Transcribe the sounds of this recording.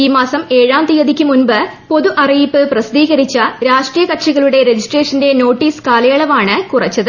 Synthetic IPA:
iːmaːsɐme̞ːɻaːnt̪ijɐd̪ʱikʲːumunbɨpo̞ðuʔɐrijipːɨprɐsɐd̪iːɣɐɾit͡ɕːɐɾaːʂʈrijɐkɐʈʂiɣɐɭuɽe̞ɾed͡ʑisʈreːʂɐnde̞no̞ːʈːiːskaːlɐjɐːɭɐʋaːɳɨkurɐt͡ɕːɐðɨ

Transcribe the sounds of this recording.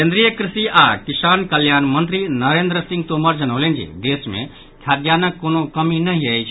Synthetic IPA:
kẽnd̪ɾijəkɾɪsiʔaːkɪsaːnkəljaːnmɐ̃nt̪ɾinɐɾeːnd̪ɾəsɪ̃ŋɡ̚t̪oːməɾd͡ʒɐnoːlẽːnd͡ʒḭd̪eːsmḛ̃ | kʰjaːd̪jaːnəkːoːnokɐminɐɦĩəet͡ʃʰ

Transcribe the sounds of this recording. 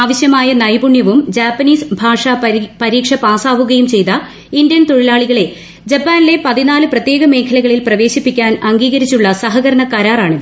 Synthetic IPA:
aːʋɐɕjɐmaːjɐnɐjbuɳjɐʋumd͡ʑaːpːɐniːsbʱaːʂapɐɾiːkʂɐpaːsaːʋuɣɐjumt͡ɕe̞jt̪ɐ | indjɐnt̪oɻilaːɭiɣɐɭe̞ | d͡ʑɐpːaːnile̞pɐðinaːlɨprɐt̪jeːɣɐme̞ːkʰɐlɐɣɐɭilprɐʋe̞ːɕipːikʲːaːnɐŋɡiːɣɐɾit͡ɕːuɭːɐsɐɦɐɣɐɾɐɳɐkɐɾaːraːɳiðɨ

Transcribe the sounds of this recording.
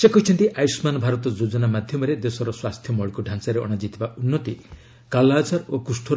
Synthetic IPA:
sekɔɦit͡ʃʰɔnt̪iʔajsmanɔbʱaɾɔt̪ɔd͡ʒod͡ʒɔnamad̪ʱjɔmɔɾed̪esɔɾɔswast̪ʰjɔmɔɭikuɖʱansaɾeɔ̰ɽ̃ad͡ʒit̪ʰibaʔunːɔt̪i | kalad͡ʒaɾokusʈʰu

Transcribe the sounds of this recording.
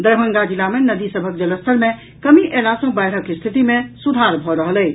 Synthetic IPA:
d̪əɾbʱəŋɡad͡ʒilamenəd̪isəbʱək̚d͡ʒələst̪ʰəɾme | kəmiʔelasə̃bɛjʈʰəkːest̪ʰit̪imesud̪ʱaɾbʱɔɾəɦəlɛː

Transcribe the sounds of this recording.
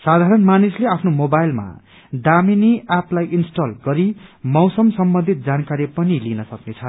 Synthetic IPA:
sad̪ʱaɾʌnmanisleapʰnomobajlma̰ | daminiaplajinsʈalɡʌɾimʌwsʌmsʌmbʌnd̪ʱit̪̚d͡zankaɾipʌnilinʌsʌknet͡sʰʌ

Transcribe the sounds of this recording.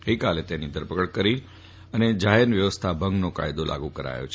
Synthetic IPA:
ɡəikalet̪enid̪ʱəɾpəkəɽkəɾi | əned͡ʒaɦenʋjəʋəst̪ʰabʱə̃ŋɡnoka̰jd̪olʔa̰ɡũkəɾa̰jo̰t͡ʃʰ

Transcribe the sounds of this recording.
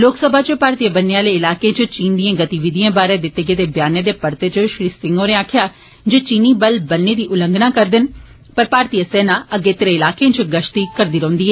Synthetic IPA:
loːksəbʱaːt͡ʃəpaːɾt̪ijabənːeãːleːɪlaːkeãːt͡ʃət͡ʃiːnd̪ijãːɡət̪iːʋɪd̪ijãːbaːɾẽːd̪ɪt̪ːeːɡeːd̪eːbjaːnẽːd̪eːpəɾt̪eːt͡ʃəʃɾiːsɪ̃ŋɡoːɾẽːaːkʰjaː | d͡ʒoːt͡ʃiːniːbəlbənːeːd̪iːʔʊləŋɡnãːkəɾd̪ɪn | pəɾpaːɾt̪iːjasɛːnãːəɡeːt̪ɪɾẽːɪlaːkeãːt͡ʃɡəʃt̪iːkəɾd̪iːɾə̃ɦʊ̃nd̪iːɛː

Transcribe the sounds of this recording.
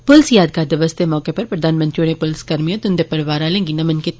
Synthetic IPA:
pʊlsjaːd̪̚kaːɾd̪ɐʋɐst̪emɔːkepɐɾpɾɐd̪ʱaːnmɐ̃nt̪ɾioːɽẽpʊlskɐɾmijɐ̃t̪ʊnd̪epɐɾʋaːɾaːlẽːŋɡinɐmɐnket̪

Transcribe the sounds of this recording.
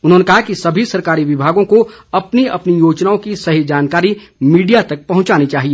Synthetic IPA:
ʊnɦõːnekɐɦakisɐbʱisɐɾkaːɾiʋɪbʱaːɡõkoɐpniɐpnijoːt͡ʃnaõkisɐɦid͡ʒaːnkaːɾimiːɖijat̪ɐk̚pɐɦʊ̃t͡ʃaːnit͡ʃaːɦieː

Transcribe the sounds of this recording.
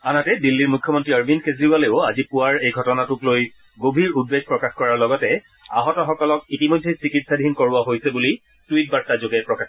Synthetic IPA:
anatɛdilːiɹmukʰːjɔmɔntɹiaɹbʱinkezɹialeʊazipuwaɹejɡʱɔtɔnatʊkloj | ɡobʱiɹud̚beɡ̚ʱpɹɔkaxkɔɹaɹlɔɡɔtɛ | a̰ɦɔtɔxɔkɔlɔk̚itimojdʱejsikitsadʱinkoɹʊaɦojsɛbuli | tuit̚baɹtazoɡɛpɹɔka

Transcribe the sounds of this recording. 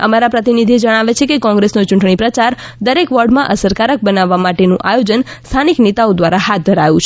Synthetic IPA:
ə̰maɾapɾət̪inid̪ʱied͡ʒəɽ̃aʋet͡ʃʰekekɔ̃ŋɡɾesnot͡ʃũɳʈɳ̃ipɾət͡ʃaɾd̪əɾekʋəɖmãʔəsəɾkaɾək̚bənaʋːamaʈenũʔajod͡ʒənst̪ʰaniknet̪aod̪ʋaɾahat̪̚d̪ʱəɾajũt͡ʃʰ

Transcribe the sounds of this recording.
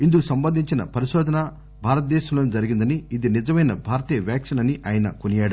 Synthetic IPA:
ind̪ukusɐmbɐnd̪ʱiɲt͡ʃinɐpɐɾiʃɔːd̪ʱɐna | bʱaːɾɐt̪̚d̪ɛːʃɐmloːnid͡ʒɐɾiɡind̪ɐniːd̪inid͡ʒɐmɐjnɐbʱaːɾt̪iːjɐʋjaːkʂɐnɐniʔaːjnɐkunijaːɽɐ

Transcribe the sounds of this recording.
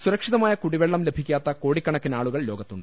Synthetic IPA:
suɾɐkʂiðɐmaːjɐkuɽiʋeɭːɐmle̞bʱikʲːaːt̪ːɐko̞ːɽikːɐɳɐkːinaːɭuɣɐɭlo̞ːɡɐt̪ːuɳɖɨ

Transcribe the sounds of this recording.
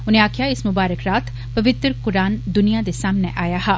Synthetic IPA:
ʊnẽaːkʰijaːɪsmʊbaːɾəkɾaːt̪ʰ | pəʋɪt̪ɾkʊɾaːnd̪ʊnijad̪esaːmneʔaːjaːɦaː

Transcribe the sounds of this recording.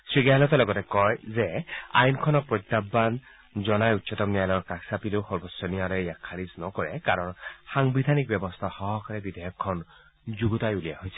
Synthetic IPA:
sɹiɡajlɔt̪ɔlɔɡɔtɛkɔjzɛa̰jnkʰɔnɔpɹɔjt̪ːabːan | zɔnajutːsɔtɔmnijajlɔɹkaksapiloxɔɹbɔsɔniaɾɔjakʰːaɹisnɔkɔɹɛkaɹɔnxaŋbid̪ʱanik̚bjɔbɔst̪ʰaxɔɦɔkaɹɛbid̪ɔjɔkʰːɔn | zuɡutajulijaɦojsʰɛ̥

